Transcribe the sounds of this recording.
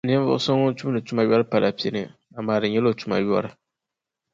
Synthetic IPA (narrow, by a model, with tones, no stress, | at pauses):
n˦ɛ˦vʊ̰˦ʔʊ˦sɔ˦ŋʊ˦n˦tu˦bnɨ˨tu˦ma˦jɔ˦ɾɨ˦pa˨la˨pi˨˦ɛ˨nɨ˦ | a˨maː˨dɨ˨ɲɛ˦lo˦˨tu˦ma̰˨jɔ˦ɾɨ˨